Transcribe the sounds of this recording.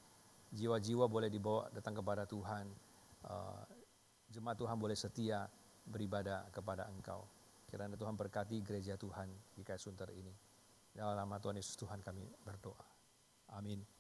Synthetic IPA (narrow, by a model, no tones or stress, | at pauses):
d͡ʒiwad͡ʒiwabolɛhdibawa̰dat̪aŋkəp̬adat̪uɦan | ə̰ | d͡ʒəmat̪uɦanbolɛhsət̪ia | bəɾibadakəp̬ada̰əŋka̰w | kiɾanat̪uɦanbərkat̪̬iɡəɾed͡ʒat̪uhandikajat̪sunt̪ərḭni | dalanamat̪uɦanjesʊ̥st̪uɦankamḭbərdoʔa | ʔamin